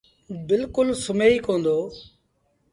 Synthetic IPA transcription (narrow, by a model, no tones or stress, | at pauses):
bɪlkʊlsʊmeːiːkõːnd̪oː